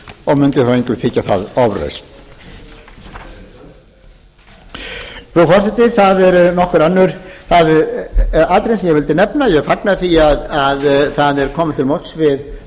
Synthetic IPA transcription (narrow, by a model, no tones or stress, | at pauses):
ɔɣmʏnt̪ɪθaweɲkʏθɪcːaθa̰ðɔvɾœ̰jst̪ | fufɔrsɪt̪ɪθaðɛɾnɔhkʏɾanːʏɾ̥θað | at̪ɾejnsɛmjɛɣvɪlt̪ɪnɛpnajɛɣfaknaðθiaðaðθaðɛɾkʰɔːmɪt̪ʰɪlmowt̪svɪð